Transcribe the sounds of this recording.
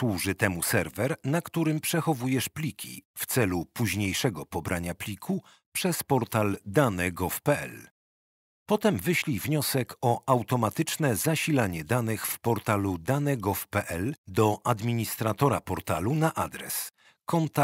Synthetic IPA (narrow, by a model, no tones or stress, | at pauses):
swuʐɘt̪ɛmusɛɾvɛɾnakt̪uɾɘmpʂɛxɔvujɛʂplʲikʲʰḭft̪sɛlupuʑɲejʂɛɡɔpɔbɾʔaɲaplʲikʰu | pʂɛspɔɾt̪ald̪anɛɡɔfpɛɛ̰l | pɔt̪ɛmvɘɕlʲivɲɔsɛkʰɔʔawt̪ɔmat̪ɘt͡ʂnɛzaɕilaɲɛd̪anɘxfpɔɾt̪alud̪anɛɡɔfpɛʔɛld̪ɔʔad̪mʲiɲist̪ɾat̪ɔɾapɔɾt̪alunaʔad̪ɾɛ̰s | kɔnt̪a